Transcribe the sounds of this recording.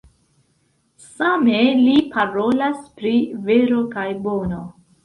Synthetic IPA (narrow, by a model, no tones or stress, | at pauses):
samelipʰaɾo̞laspɾive̞ɾo̞kajbo̞no̞